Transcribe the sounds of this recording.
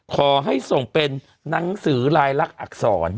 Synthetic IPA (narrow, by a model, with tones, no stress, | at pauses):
kʰɔː˩˦ɦa˥˩jso˨˩ŋpe˧nː | a˩˦ŋsɯː˩˦ɾaː˧jla˦˥˩k̚ʔa̰˨˩k̚sɔː˩˦n